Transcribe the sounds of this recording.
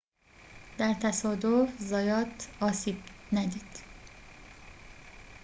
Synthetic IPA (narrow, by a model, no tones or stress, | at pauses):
d̪̥æɾt̪ʰæsɒːd̪ofzɒːjɒːt̪ɒːsiːb̥næd̪iːd̪̥